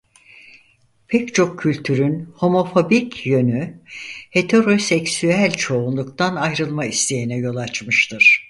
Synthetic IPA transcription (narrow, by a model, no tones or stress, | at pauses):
pʰɛct͡ʃʰo̞kʰːylʲt̪ʰyɾynho̞mo̞fo̞bicjønyhe̞t̪ʰe̞ɾo̞sɛcsyælʲt͡ʃʰo̞unlˠukt̪ʰanajɾɯlˠmaist̪ʰe̞jinɛjo̞lˠat͡ʃmɯʃt̪ʰɯɾ̥